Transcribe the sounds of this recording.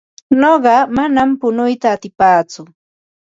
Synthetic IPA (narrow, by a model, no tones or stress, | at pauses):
noɢɑmanampʊnʊjt̪aːt̪ɪpaːt͡sʊ